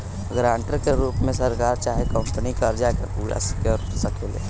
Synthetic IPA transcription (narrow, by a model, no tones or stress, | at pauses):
ɡɾãɳʈəɾkeɾuːpmesəɾkaɾt͡ʃaɦekəmpənikəɾd͡ʒaekepuːɾa̰si̥kəɾsəkelḛ̃